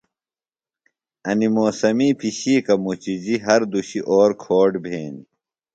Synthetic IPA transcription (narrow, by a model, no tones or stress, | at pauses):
ɐnimoːsɐmiːpiɕiːkɐmut͡ɕid͡ʑiɦɐɾd̪uɕiʔoːɾkʰoːɖbʱeːnḭ